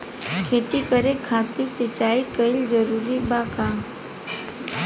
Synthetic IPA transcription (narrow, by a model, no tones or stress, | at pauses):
kʰeːt̪ikəɾekʰãːt̪isɪt͡ʃaːikəɪld͡ʒəɾuːɾibaːkã